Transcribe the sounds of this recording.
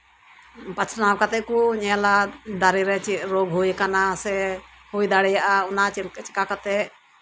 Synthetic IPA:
pat͡ʃʰnawkat̪ɛʔkuɲɛlad̪aɾiɾɛt͡ʃiʔɾoɡɦujkanasɛ | hujd̪aɽɛjaʔaunat͡ʃit͡ʃi̥kakat̪ɛ

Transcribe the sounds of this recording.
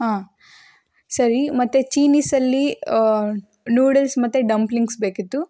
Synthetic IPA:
ɦãː | sɐɾimɐt̪ːet͡ʃiːniːsɐlːi | nuːɽelsmɐt̪ːeɖɐmpliŋɡsbeːkit̪ːu

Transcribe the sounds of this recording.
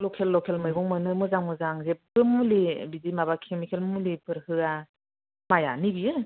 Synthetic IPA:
lɔkʰelːɔkʰelmɯjɡɔŋmɯnɯmɯzaŋmɯzaŋzebɯmulibidimabakʰemikʰelmulipɯɾhɯa | majanibijɯ

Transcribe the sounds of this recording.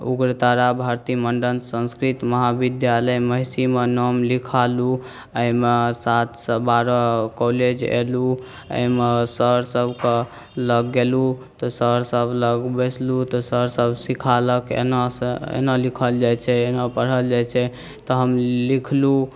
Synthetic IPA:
ṵɡɾət̪aɾabʱaɾt̪iməɳɖənsə̃nskɾit̪məɦabid̪jaləjməɦisimenɔmlikʰalu | əmesat̪ʰsəbaɾɔkoled͡ʒḛlu | ə̰imesəɾsəbʱke | ləɡːelut̪ɔsəɾsəbʱləɡbeslut̪ɔsəɾsəbsikʰaləkḛnasḛnəlikʰəld͡ʒajt͡ʃʰɛenapəɽ̤əld͡ʒajt͡ʃʰɛ | t̪ɔɦəmlikʰlu

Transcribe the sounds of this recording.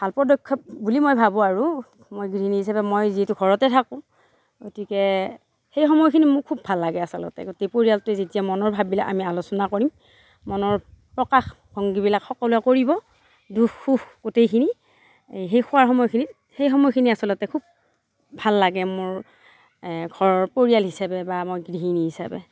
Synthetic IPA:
bʱalpɔdɔjkʰːɔp̚bulimojbʱabɔ̃aɹu | mojɡɹiniɦisabɛmojziɛtuɡʱɔɹɔtɛtʰakʊ̃ | ɡotikɛ | xejxɔmɔjkʰinimʊkʰːubʱalːaɡɛasɔlɔ̰tɛ̰ɡotejpoɹijaltzetijamɔnɔɹbʱabila̰ka̰mialʊsɔnakoɹimː | ɔnɔɹpɹɔkax | b̥ʱɔŋɡibilakxɔkɔlujɛkoɹibɔ | duxːuxɡ̥otejkʰini | ɦejxʊwaɹxɔmɔjkʰinit | hejxɔmɔjkʰiniasɔlɔtɛkʰub̚ | bʱalːaɡɛmʊɹ | ɡʱɔɹpoɹijalɦisabɛbamojɡɹiɦiniɦisa̰bɛ̰

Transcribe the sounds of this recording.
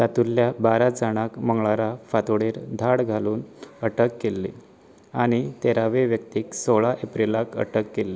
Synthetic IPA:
t̪at̪ulːjabaɾad͡zaɽ̃akməŋɡɭaɾafat̪oɽeːɾd̪ʱaɽɡʱaluːnəʈəkːelːḭ | aɽ̃it̪eɾaʋeʋjək̚t̪iːksoɭaʔepɾilakə̰ʈəkːelːi

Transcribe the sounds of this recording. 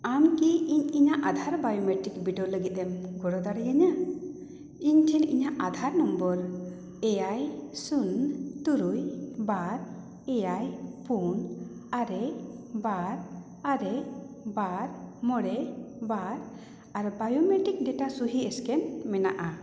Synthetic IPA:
amkiiɲiɲaʔad̪ʱaɾbajɔmɛʈikbiɖɔləɡit̪̚ɛmɡɔɽɔd̪aɽɛjaɲa | iɲʈʰɛnḭɲaʔad̪ʱaɾnɔmbɔɾ | ɛjajsunt̪uɾujbaɾ | ɛjajpun | aɾɛbaɾ | aɾɛ | baɾmɔɽɛbaɾ | aɾbajɔmɛʈik̚ɖɛʈasuɦiɛskɛnmɛna̰ʔa

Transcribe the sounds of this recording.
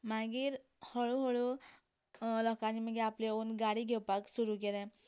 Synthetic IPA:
m̤aɡiːɾ | hɔɭuɦɔɭu | lɔkaniməɡeapleunɡaɽiɡʱewpaksuɾukelɛ̃

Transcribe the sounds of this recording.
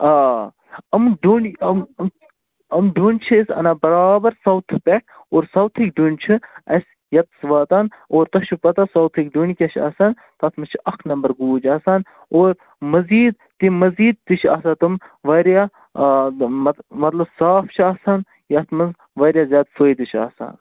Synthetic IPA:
aː | ɐmɖunɐm | ɐmɖunʲt͡ʃʰisʲɐ̰naːbɐɾaːbɐɾsɐwt̪ʰpeʈ̚ʰ | oːɾsɐwt̪ʰik̚ɖunʲt͡ʃʰiɐsʲ | jɐt̪sʋaːt̪anoːɾt̪ɐʃʰupɐt̪asɐwt̪ʰikɖuɳʲikʲɐʃʰɐ̰ːsaːn | t̪ɐt̪ʰmɐt͡ʃʰiɐkʰnɐmbɐɾɡuːd͡ʒaːsaːn | oːɾ | mɐziːd̪̚ | t̪imɐziːd̪̚t̪ɨt͡ʃʰa̰ːsat̪ɨmʋɐɾja | ɐmɐt̪lɐbsaːft͡ʃʰaːsaːn | jɐt̪ʰmɐnz | ʋɐɾʲjaːzʲjaːd̪soːjd̪ɨt͡ʃʰa̰ːsa̰ːn

